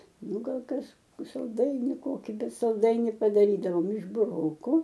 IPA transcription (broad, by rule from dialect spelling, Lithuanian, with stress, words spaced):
ˈnʊ ˈɡɐlˠ ˈkɐs sɐlˠˈdɐɪnʲɪ ˈkoːkʲɪ ˈbʲɛt sɐlˠˈdɐɪnʲɪ pɐdɐˈrʲiːdɐʋoːm ɪʃ bʊˈroːkʊ